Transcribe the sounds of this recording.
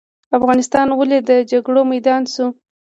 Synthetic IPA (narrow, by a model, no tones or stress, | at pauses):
afɣɑnɪst̪ɑnwəled̪əd͡ʒaɡɽomajd̪ɑnsu